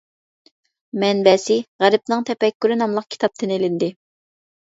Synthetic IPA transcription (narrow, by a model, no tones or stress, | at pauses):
mɛnbɛsɪʁæɾɪp̚nɨŋt̪ʰɛpɛkʲːyɾɪnɑmlˠəq̚kʲʰi̥t̪ʰɑp̚t̪ʰɨnelɪnd̪ɪ